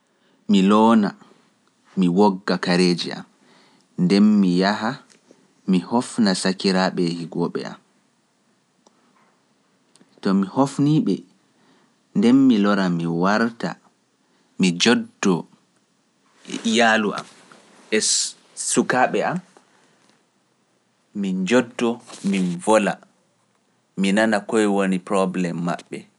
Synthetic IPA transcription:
milɔːna | miwɔɡːakaɾeːd͡ʒiʔa̰m | ndɛnmijaɦa | mihɔfnasakiɾaɓɛhiɡɔɓɛ̰a̰m | tɔmihofniːɓɛ | ndɛnːilɔɾamiwaɾta̰ | mid͡ʒɔdːɔ | ijaluʔa̰m | ʔɛ | sukaːɓɛam | ind͡ʒɔdːɔminvɔla̰ | minanakɔjwonipɾɔblɛmːa̰ɓːɛ

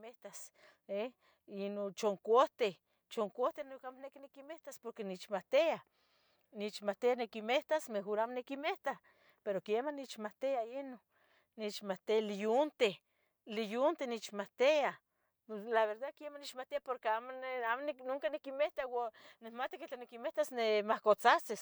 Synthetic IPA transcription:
meht̪ase | inot͡ʃoŋkoht̪e | t͡ʃoŋkoht̪enokamonekinikimeht̪aspoɾkenit͡ʃmat̪ea | nit͡ʃmat̪eanekimeht̪asmeɦoɾaːmonekimeht̪a | peɾokemanit͡ʃmat̪eaino | nit͡ʃmat̪ealijunt̪e | lijunt̪enit͡ʃmat̪ea | laβeɾd̪akiemanit͡ʃmat̪eapoɾkeamonamoneknoŋkanikimeht̪awanemat̪i̥ket͡ɬanikimeht̪asnemahkot͡sat͡ses

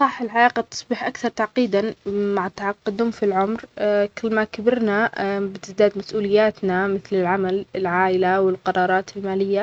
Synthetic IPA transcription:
sˤɑħːɪlʕalaːqɑt̪ʊ̥sˤbɪħʔakθɑɾˤt̪aʕqiːd̪anmaʕt̪ɑʕɑqːɪd̪umfilʕʊmɾkɪlːmakabɪɾnabɪt̪ɪzd̪aːd̪masʔuːlɪjːaːt̪namɪθlɪlʕamalɪlʕaːʔɪlawɪlqɑɾˤɑːɾˤɑːt̪ɪlmaːlɪjːa

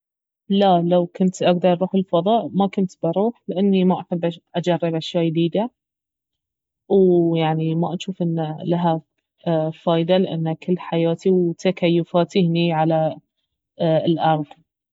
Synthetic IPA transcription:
lalawkʊnt̪ʔaɡd̪ɑɾˤʔˤɾuːħɪlfɑðˤɑːʔmakʊnt̪bɑɾuːħlɪʔanːimaʔaħɪbːʔaʔad͡ʒarˤːɪbʔaʃjaːjd̪iːd̪a | wjaʕnimaʔaʃuːfʔɪnːalaɦa | faːjd̪alɪʔa̰nːakɪlːħajaːt̪iwt̪akajːʊfaːt̪ɪhniʕala | lʔɑɾˤðˤ

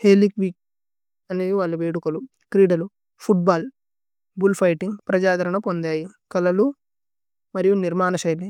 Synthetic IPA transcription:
heːlikʋiːk̚ | ɐneiʋaːɭːɐʋeːɽukɐlu | kɾiːɖɐlu | pʰuʈ̚baːl | bulpʰɐjʈiŋɡpɾɐd͡ʒaːd̪ʱɐɾɐɳɐpond̪aːjikɐlɐlu | mɐɾijuniɾmaːnɐʃɐjli

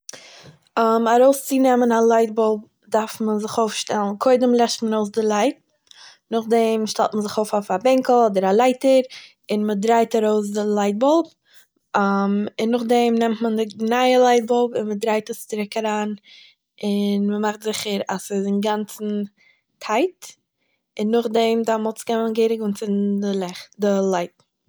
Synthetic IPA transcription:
amaɾoʊst͡sɪnɛmənalˠaɪt̚bɔlˠb̚ | daɾfmənzɪχoʊfʃtɛlˠn̩kʰoɪdəmlˠɛʃtmənoʊs̬dɪlˠaɪt̚ | nʊχdɛmʃtɛ̰lˠtmənzɪχoʊfofabɛŋkl̩ˠɔdəɾalˠaɪtəɾ | ɪnmədɾaɪtaɾoʊs̬dɪlˠaɪt̚bɔlˠb | mɪnːʊχdɛmnɛmtməndɪnaɪəlˠaɪt̚bɔlˠbɪnmədɾaɪtəst͡sɪɾɪkaɾaːn | ɪnməmaχtzɪχəɾasɪdɪnɡant͡sn̩ | tʰaɪt | ɪnːʊχdɛmdamʊt͡skɛmənɡeɪɾɪɡʊnt͡sɪndɪlˠɛχdɪlˠaɪt̚

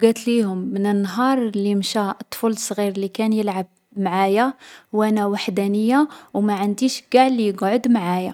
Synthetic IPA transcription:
ɡæt̪lihʊmːənənːɦɑɾˤlimʃæt̪ˤːfulsˤɣiɾlikænjəlʕab̚ | mʕajawʔænæwaħd̪ænəjːawmæʕənd̪iʃɡaʕlijəɡʕod̪mʕaja

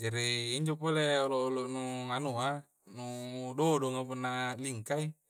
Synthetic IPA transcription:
d͡ʒaɾiːɲd͡ʒɔpɔlɛɔlɔːlɔnuŋanua | nuudɔdɔŋapunaliŋkai

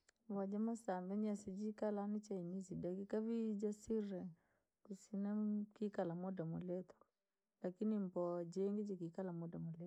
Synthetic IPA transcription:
βad͡ʒɛmɔsambɛɲasid͡ʒikalanit͡ʃainisidakikaβid͡ʒasiɾɛ | kusinakikalamɔdamɔlɛt̪ɔ̥ | lakinimbɔd͡ʒɛŋɡɛd͡ʒikikalamɔdamɔlɛ

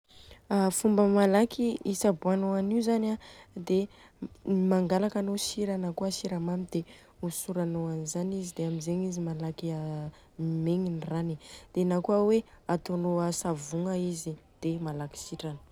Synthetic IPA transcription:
afumbəmalakʰiisabuanoaniuzanad̪e | maŋɡalakanosiɾanakuəsiɾamamid̪e | usuɾanoanizanizid̪eamizeɲizimalakia | meŋinranid̪̥enakuəweat̪onoasavuŋəizid̪̥emalaki̥siʈ͡ʂanə̥

